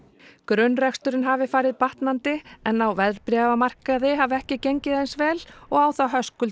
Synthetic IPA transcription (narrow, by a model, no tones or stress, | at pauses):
kɾʏnːrɛkst̪ʏɾɪnɦaːvɪfaːɾɪðpaht̪nant̪ɪɛnːawvɛðɾpɾɛːvamar̥kaðɪɦaːvɛhcɪceɲcɪðɛnsvɛːlɔɣaːwθaɦœskʏl